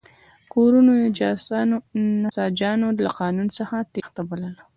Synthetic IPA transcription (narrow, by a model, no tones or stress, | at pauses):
koɾunojed͡ʒɑsnonasɑd͡ʒɑnolaqɑnunsəxat̪ext̪abalala